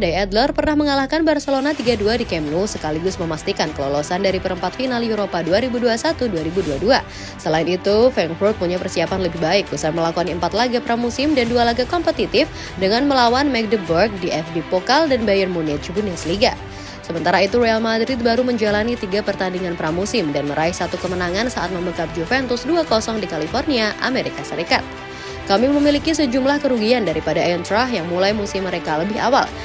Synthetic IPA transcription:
dajɛd̪lɔrpərnahməŋalahkanbarsəlonat̪iɡaduadikɛmlusəkaliɡʊsməmast̪ikankəlolosandaɾipəɾəmpat̪finaljuɾopaduaɾibuduasat̪uduaɾibuduadua | səlaɪinit̪ufɛŋfurk̪̚muɲapərsiapanləbɪhbaɪk̚busaməlakuaniəmpat̪laɡapəɾamusɪmdandualaɡakɔmpət̪it̪ɪf | dəŋanməlawanmɛk̚dəbərk̚diʔɛfbipokaldanbajərmunɛt̪̚d͡ʒubunɛsliɡa | səmənt̪aɾait̪uɾoalmadɾɪt̪̚baɾuməɲd͡ʒalanit̪iɡapərt̪andiŋanpəɾamusɪmdanməɾʔaihsat̪ukəmənaŋansaʔa̰t̪̚məməkap̚d͡ʒufɛnt̪ʊsduakɔsɔŋdikalifɔrniaʔa̰meɾikasəɾikat̪̚ | kamiməmilikisəd͡ʒumlahkəɾuɡiandaɾipadaʔaɔnt̪ɾaɦjaŋmulajmusɪmːəɾekaləbɪɦa̰wa̰l

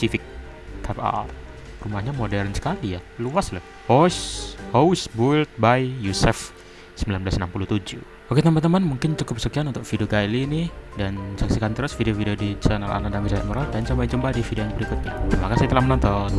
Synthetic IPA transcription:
sifɪk̚ | t̪ʰapa̰ | rumahɲamodɛrnsə̥kalijaluaslah | hɔshowsbult̪̚bajːusɛf | səmbilanbəlasənampuluht̪ud͡ʒṵ | ʔoket̪əmant̪əmanmuŋkɪnt͡ʃukʊp̚səkianunt̪ʊk̚fideoɡailiːnidansaksikant̪əɾʊsfideofideodit͡ʃana̰lʔa̰nadaŋmbisa̰ʔməɾɔdant͡ʃabaid͡ʒumbadifideojabəɾikʊt̪̚ɲat̪imakasait̪ulahmənɔnt̪ɔn

